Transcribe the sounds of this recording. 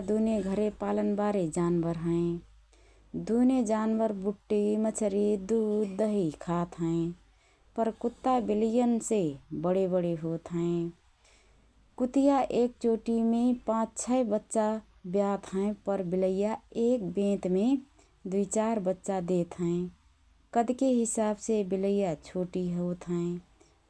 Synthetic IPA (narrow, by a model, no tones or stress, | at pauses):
d̪uneɡʱəɾepalənbaɾed͡ʒanʋəɾɦə̃ẽ | d̪uned͡ʒanʋəɾbuʈːimət͡ʃʰəɾid̪ud̪əɦikʰat̪ɦə̃ẽ | pəɾkut̪ːabilijənsebəɽebəɽeɦot̪ɦə̃ẽ | kʊt̪ijaʔeːk̚t͡ʃoːʈimẽpãt͡ʃt͡ʃʰəebətːʃa | bjat̪ʰɦə̃ẽpəɾbɪləjaeːk̚bẽːt̪me | d̪uit͡ʃaːɾbətːʃad̪et̪ɦə̃ẽ | kəd̪keɦɪsaːbsebɪləjat͡ʃʰoːʈiɦot̪ɦə̃e